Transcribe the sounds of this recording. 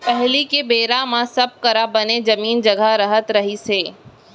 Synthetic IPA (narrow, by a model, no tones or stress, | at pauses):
pɛɦlikebeːɾamãsɐb̚kɐɾabɐned͡ʒɐmiːnd͡ʒɐɡʱaɾɐɦət̪ɾɐɦiseː